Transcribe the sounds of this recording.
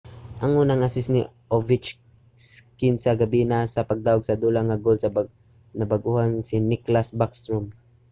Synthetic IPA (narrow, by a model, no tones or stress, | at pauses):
ʔɐŋʔuːnaŋʔasɪsnɪ | ʔovɪt͡ʃ | skɪnsaɡabinasɐpaɡ̚d̪aːʊɡsɐd̪uːlaŋaɡolsɐ | nɐbaɡʔuhansɪnɪklasbakst̪ɹom